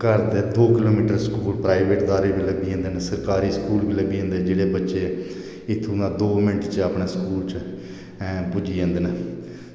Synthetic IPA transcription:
kəɾd̪ed̪oːkɪloːmiːʈəɾsə̥kuːlpɾaːɪʋeːʈd̪aːɾeːbiːləɡiːɦə̃nd̪eːnsəɾkaːɾiːskuːlbiːləɡiːɦə̃nd̪eːd͡ʒeːɽeːbətːʃeː | ɪt̪ʰːõãːd̪oːmɪɳʈt͡ʃaːpɳaːskuːlt͡ʃ | pʊd͡ʒiːɦə̃nd̪eːnə

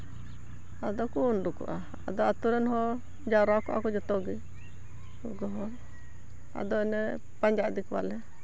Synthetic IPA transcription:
ad̪ɔkunɖukṵʔa | a̰d̪ɔat̪uɾɛnɦɔ | d͡ʒaɾakuʔa̰kɔd͡ʒɔt̪ɔɡi | uɡɔɦɔɾ | a̰d̪ɔɛnɛ | paɲd͡ʒad̪ikwa̰lɛ

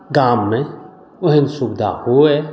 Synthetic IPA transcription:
ɡaːmːẽ | ʊɦɪ̃nsubd̪ʱa̰huɛː

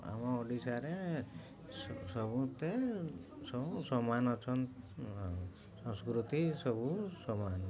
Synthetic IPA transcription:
a̰mɔɔɖisaɾe | sɔbut̪e | ssɔmanɔt͡ʃʰɔn | sɔ̃ŋskɾut̪isɔbusɔman

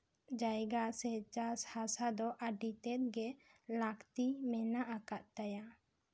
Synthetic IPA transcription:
d͡ʒajɡasɛt͡ʃashasad̪ɔʔaɖit̪ɛt̪̚ɡɛlakt̪imɛnaʔakaʔt̪aja

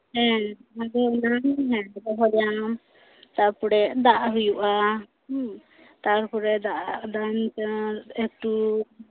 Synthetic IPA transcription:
hɛ̃ad̪ɛnanɦɛ̃bɔɦɔljanɔm | t̪aɾpuɾɛʔd̪aʔɦujuʔa | t̪aɾpuɾɛd̪aʔaʔd̪ant̪ɛk̚ʈu

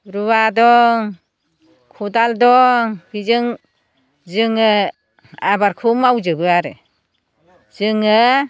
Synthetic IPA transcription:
ɾuwadɔŋ | kʰudaldɔŋb̥izɯŋ | zɯŋɯ | abaɾkʰumawzɯbɯaɾɯ̰ | zɯŋɯ

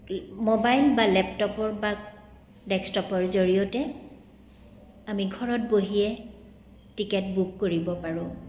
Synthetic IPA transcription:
mobajlbalɛptɔpɔɹba | dɛkstɔpɔɹzoɹijɔtɛ | amiɡʱɔɹɔt̚boɦijɛ | tikɛtbukːoɹibɔpaɹʊ̃

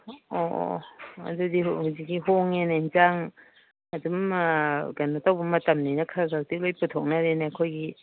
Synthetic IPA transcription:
ɔ̰ɐ̰dudihuzik̚ːiɦoŋenainzaŋ | ɐdum | ɡanɐtawbɐmɐtɐmninɐkʰaɡatik̚lojputʰɔk̚naɾenekʰojɡi

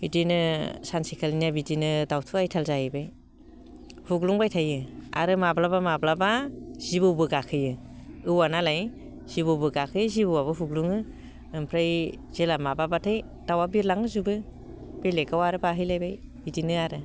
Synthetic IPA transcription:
bidinɯsansikʰalinabidinɯdawtʰuajtʰalzajibaj | huɡluŋbajtʰajɯa̰ɾɯmablabamablabaz̥ibɯwbɯɡakʰɯjɯ | ɯwanalaj | z̥ibɯwbɯɡakʰɯjzibɯwabɯɦuɡluŋɯ | mpʰɾaj | z̥elamababatʰaj | d̥awabiɾlaŋɯzubɯ | b̥elekawaɾɯbaɦɯjlajbajbidinɯaɾɯ

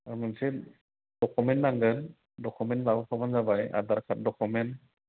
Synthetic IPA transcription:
aɾmansi | d̥ɔkʰumɛnːaŋɡɯn | dɔkʰumɛnlawkʰɔmanzabaja̰d̪aɾkʰat̚dɔkʰumen

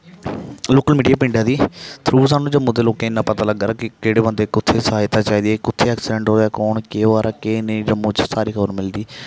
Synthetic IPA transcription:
loːkəlmiːɖijaːpɪ̃ɳɖaːd̪iːt̪ʰɾuːs̬aːnːũːd͡ʒəmːũːd̪eːloːkẽːɪnːãːpət̪aːləɡd̪aɾakɪkeːɽeːbənd̪eːkʊt̪ʰːeːsəɦaːjt̪aːt͡ʃaːiːd̪iːɛkʊt̪ʰːeːɛːksɪɖɛ̃ɳʈɦoːaːkoːɳkeːoaːɾaːkeːned͡ʒəmːõːt͡ʃsaːɾiːkʰəbəɾmɪld̪iː

